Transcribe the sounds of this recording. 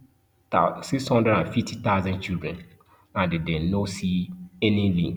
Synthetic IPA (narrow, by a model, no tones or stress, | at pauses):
tasikshɔ̃ndɹɛdãnfiftʰit̪aʊzãnt͡ʃildɹɛ̰̃n | nadedẽnnosiɛnilĩŋk